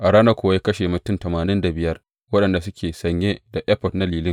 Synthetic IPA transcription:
ʔa˨ɽaː˦na˦kʷʊ˨a˦ja˦kɐ˦ʃeː˨mʊ˨tʊ˦ntɐ˨maː˨nɪ˦nda˨bɪ˨jɐ˦r | wɐ˦ɗɐ˨nda˨s̬ʊ˦kʲeː˨sɐ˨ɲjeː˦da˨ʔɛ˦ɸɔ˨dna˦liː˨lɪ˦ŋ

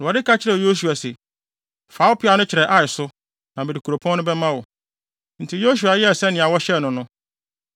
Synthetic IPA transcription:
n˨ɔ˨dɪ˦kʰa˦t͡ɕʰɪ˦ɾɛ˨jo˦s̬u˨a˨sɛ˨ | faː˨˦wʊ˦pʰɪ˦a˨˦nʊ̃˦t͡ɕʰɪ˨ɾɛ˨ʔa˨ɪ˨sʊ˦ | nã˨mbɛ˨di˨kʰu˨ɾo˨pʰɔ̃˦nʊ̃˦bɛ˦mã˦wɔ˨ | n̩˨tʰi˨jo˦s̬u˨a˨jɛ˦ɛ˨sɛ˦nɪ̃˨a˨wɔ˦ɕɛ˦˨nʊ̃˨nʊ̃˦

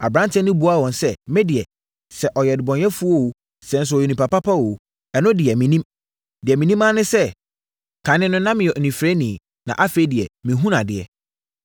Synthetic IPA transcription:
a˨bɾã˦ntʰɛ̃˦nɪ̃˦bu˨˦a˦˨wɔ̃˨nsɛ˦mɛ̃˦dɪ˨ɛ˨ | sɛ˨ʔɔ˨jɛ˨dɪ˨bɔ̃˨n˦ɛ˦fu˦o˦wo˦ | sɛ̃˦n˦s̬ʊ˨˦ɔ˨je˨nĩ˨pʰa˨pa˦pʰa˦wo˨ | ɛ˨nʊ̃˦dɪ˨ɛ˨mĩ˨nĩ˦m | dɪ˨ɛ˨mĩ˨nĩ˦mã˦nɪ̃˦sɛ˦ | kʰã˨nɪ̃˦nʊ̃˦nã˦mɪ̃˨jɛ˨nĩ˨fɾɛ˦nĩ˨ | nã̰˨ʔa˦fe˦dɪ˨ɛ˨mĩ˨ɦũ˦nã˨dɪ˨ɛ̰˨

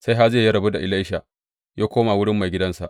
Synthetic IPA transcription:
sa˦jɦa˦zeː˦˨jɐ˦ɽɐ˨bu˦da˨ʔɪ˨la˦jʃa˨ | jaː˦kʷoː˦ma˨wʊ˦ɽɪ˦mːa˨jɡʲɪ˦dɐ˦nsa˨ʔ

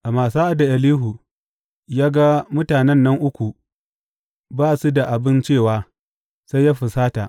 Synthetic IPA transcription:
ʔa˨maː˨saː˦ʔa˦da˨ʔɐ˨liː˦ɦu˨ | jaː˦ɡa˦mʊ˦taː˨nɛ˦nːɐ˦ŋʔʊ˦kʷu˨ | baː˦su˦da˨ʔa˨bɪ˦nt͡ʃeː˦˨waː˦ | sa˦jːaː˦ɸɪ˨saː˦ta˨ʔ

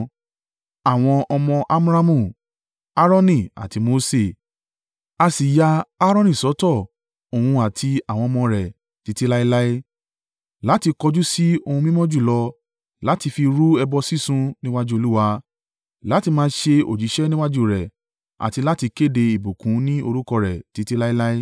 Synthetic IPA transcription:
a˨w̃ɔ̃˧ʔɔ˧mɔ̃˧ʔa˦m˦ɾa˦mũ˦˨ | a˦ɾɔ̃˦nĩ˦˨a̰˨ti˧mo˧se˨ | a˧si˨ja˧a˦ɾɔ̃˦˧nĩ˦˨sɔ˨˦tɔ˦˨ | o˨wũ˧a˨tʰi˧a˨w̃ɔ̃˧ɔ˧mɔ̃˧ɾɛ˨ | ti˨˧ti˧˦la˦i˧la˦e˦ | la˨˦ti˧kɔ˧d͡ʒu˦si˦o˧hũ˧mĩ˦mɔ̃˦d͡ʒu˦˨lɔ˧ | la˨˦ti˧fi˧ɾu˦ɛ˧bɔ˧si˦sũ˧nĩ˦wa˦d͡ʒu˦o˧lu˦wa˧ | la˨˦ti˧mãː˦ʃe˧o̰˨d͡ʒi˨˦ʃɛ˦nĩ˦wa˦d͡ʒu˦˨ɾɛ˨ | a̰˨ti˧la˦ti˧ke˦˨de˧i˨bu˨kũ˨˦nĩ˦o˧ɾu˦kɔ˧ɾɛ˨ti˨˦ti˦la˦i˦la˦i˦

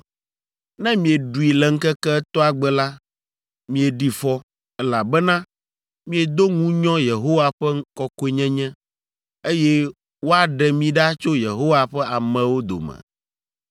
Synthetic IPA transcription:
nɛ̃˦mĩ˨ɛ˨ɖu˨i˨lɛ˨ŋ̩˦kɛ˦kɛ˦t̪ɔ˦a˨ɡ͡bɛ˦la˦ | mĩ˨ɛ˨ɖi˨fɔ˦ | ɛ˦la˨bɛ˦nã˦ | mĩ˦ɛ˨d̪o˦ŋũ˦ɲɔ̃˦je˨ɦo˦wa˨ɸɛ˦ŋ˦kɔ˦ko˦e˦ɲɛ̃˦ɲɛ̃˦ | e˦jɛ˦ | wo˦a˨ɖɛ˨mĩ˦ɖa˦t͡ʃo˦jḛ˨ɦo˦wa˨ɸɛ˦a˨mɛ̃˨wo˦d̪o̰˨mɛ̰̃˨

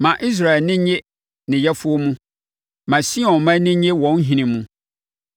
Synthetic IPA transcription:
mã˨ʔi˦s̬ɾa˨ɛ˨nɪ̃˦ɲe˦ | nɪ̃˨jɛ˦fʊ˦o˦mũ˦ | mã˨si˦ɔ̃˨nmã˦nɪ̃˦ɲe˦wɔ̃˦n˦ɦĩ˨nɪ̃˨mũ˦

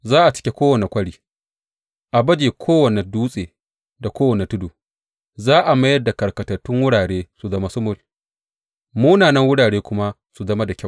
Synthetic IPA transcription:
zaː˦ʔa˨t͡ʃɪ̥˦kʲe˨˦kʷoː˦wɐ˨ne˨kʷɐ˦ɽiː˦ | ʔa˨bɐ˦d͡ʒeː˨kʷʰoː˦wɐ˨ne˨duː˦sʼeː˨ | da˨kʷoː˦wɐ˨ne˨tʊ˦duː˨ | zaː˦ʔa˨mɐ˦jɐ˦da˨kɐ˨rkɐ˨tɐ˨tːʊ˦ŋwʊ˦ɽaː˨ɽeː˦su˨zɐ˦ma˦sʊ˦mʊ˨l | muː˦naː˨nɐ˦ŋwʊ˦ɽaː˨ɽeː˦kʷʊ˦ma˦ | su˨zɐ˦ma˦da˨kʲɐ˦˨

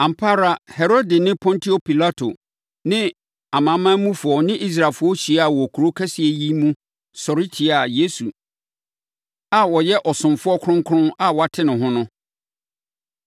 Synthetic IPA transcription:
ã˨m̩˨pʰa˦ɾa˦˨hɛ˨ɾo˦dɪ˨nɪ̃˦pʰɔ̃˦ntʰi˦o˨pʰi˨la˦tʰo̰˨ | nɪ̃˦ | a˨mã˨˦mã˦mũ˦fʊ˨ɔ˨nɪ̃˦ʔi˦s̬ɾa˨lfʊ˦ɔ˦ɕi˨˦a˨wɔ˨kʰu˨ɾo˦kʰɛ˦si˨e˨ji˦mũ˦ | sɔ˨ɾi˦tʰi˨a˨je˦su˨ | a˨wɔ˨jɛ˦ʔɔ˨sʊ̃˨mfʊ˦ɔ˦kʰʊ˦ʊ̃˦ŋkʰʊ˦ʊ̃˦na˨wɔ˨a˨tʰɪ˦nɪ̃˨ɦʊ̃˦nʊ̃˦

